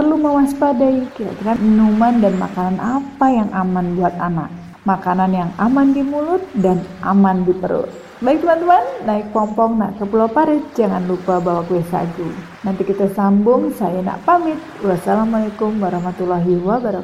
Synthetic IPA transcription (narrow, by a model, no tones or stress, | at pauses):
pərluməwaspadaikiɾa̰ʔkiɾaminumandanma̰kananʔapajaŋʔamanbuat̪ana̰k̚ | makananjaŋamandimulʊt̪̚danʔamandipəɾʊ̰t̪̚ | baɪk̚t̪umant̪uanːaɪk̚pɔmpɔŋna̰ʔkəpulawpaɾɪt̪̚d͡ʒaŋanlupabawakuesa̰ɡu | nant̪ikit̪asambʊŋsajana̰ʔpamɪt̪̚wasalamalakʊmwaɾahmat̪ulaɦiwabaɾ